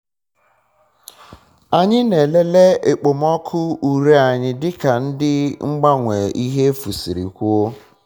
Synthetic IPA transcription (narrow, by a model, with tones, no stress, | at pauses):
a˨ɲɪ˦ne˨le˦le˦e˨k͡po˨mɔ˦kʰʊ˦u˨ɾe˦a˨ɲɪ˦dɪ˦ka˨n̩˦dɪ˦ŋ͡m̩˦ɡ͡ba˦ŋʷe˨ʔi˦ɦe˦fu˨si˨ɾḭ˨kʷu˦o˦